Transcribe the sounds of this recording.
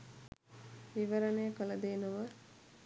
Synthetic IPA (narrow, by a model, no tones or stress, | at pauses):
ʋiʋəɾənejːkələd̪eːnəʋə